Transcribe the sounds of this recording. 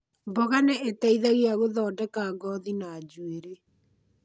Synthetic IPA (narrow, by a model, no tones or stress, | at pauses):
bɔɣaneetaiðaɣiaɣoðɔːdɛkaːɡɔːðinaːd͡ʑueɾe